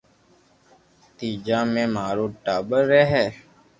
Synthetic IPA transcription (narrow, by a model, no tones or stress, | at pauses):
t̪iːd͡ʒaːmẽːmaːɾoːʈaːbəɾːɛɦɛː